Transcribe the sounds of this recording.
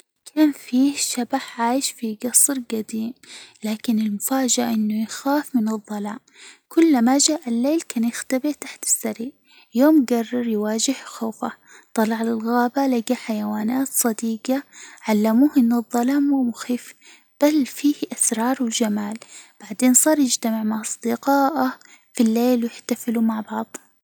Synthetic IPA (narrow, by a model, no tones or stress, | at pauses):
kʰaːnfiːʃabaħʕaːjɪʃfiɡɑsˤɾɡad̪iːmlaːkɪnɪlmʊfaːd͡ʒɪʔaʔɪnːʊjxaːfmɪnɨðˤːɑlaːm | kʊlːmaʒaːʔalːeːlkaːnjɪxt̪abɪɾt̪aħt̪ɪ̥sːaɾiʔ | joːmɡɑrˤːɑɾˤjwaːd͡ʒɪhxoːfa | t̪ˤɑlɑʕlɪlɣaːbalaɡaħajawaːnaːt̪sˤɑd̪iːɡaʕalːamuːhʔɪnːɨðˤːɑlaːmːuːmʊxiːf | b̥alfiːhʔasɾˤɑːɾˤwd͡ʒamaːlb̥aʕd̪eːnsˤɑːɾˤjɪd͡ʒt̪amɪʕmaʕʔɑsˤd̪ɪqɑːʔa | filːeːlwjɪħt̪afɪlumaʕbɑʕðˤ